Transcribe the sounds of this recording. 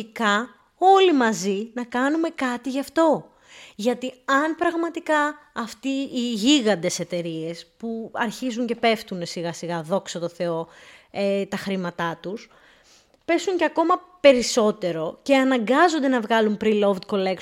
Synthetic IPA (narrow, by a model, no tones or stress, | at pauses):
ikɐ | o̞limɐzinɐkɐnume̞kɐt̪iʝɐft̪o̞ | ʝɐt̪iɐnpɾɐɣmɐt̪ikɐːft̪iːʝiɣɐnd̪e̞se̞t̪e̞ɾie̞spuɐɾçizuɲce̞pe̞ft̪une̞siɣɐsiɣɐðo̞ksot̪o̞θe̞o̞et̪ɐxɾimɐt̪ɐt̪us | pe̞suɲceɐko̞mɐpe̞ɾiso̞t̪e̞ɾo̞ce̞ɐnɐŋɡɐzo̞nd̪e̞nɐvɣɐlumpɾilo̞vd̪̚ko̞le̞k